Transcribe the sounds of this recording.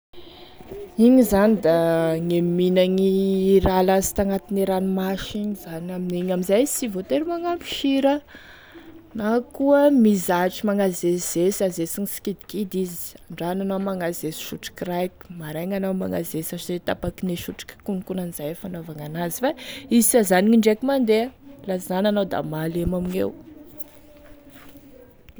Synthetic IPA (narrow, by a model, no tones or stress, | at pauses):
iŋizanid̪aŋeminaŋiɾalazi̥t̪aŋat̪ineɾanimaʃiɲizanaminiɲamizajsivot̪eɾimaŋampi̥ʃiɾə | nakuəmizaʈ͡ʂimaŋazez̥esazesiŋisi̥kid̪i̥kid̪izi̥aɳɖ͡ʐananamaŋazesi̥ʃuʈ͡ʂi̥kirajki̥maɾajŋanawma̰ŋazesaʈ͡ʂizet̪apakineʃuʈ͡ʂi̥kkunkunanizajfanavaŋanazifaizisazaniŋiɳɖ͡ʐekimand̪eəlazananawd̪a̰malemaminḛw